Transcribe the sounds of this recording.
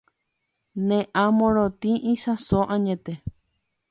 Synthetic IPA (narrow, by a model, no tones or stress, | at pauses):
nẽʔãmõɾot̪ĩʔĩsasoʔãɲẽt̪e